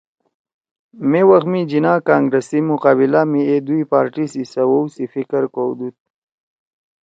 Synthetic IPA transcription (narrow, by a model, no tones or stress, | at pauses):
mewaxmid͡ʒinaːkaːŋɡɾesimuqaːbilamied̪ujpaːɾʈisisawowsifikəɾkowd̪ut̪̚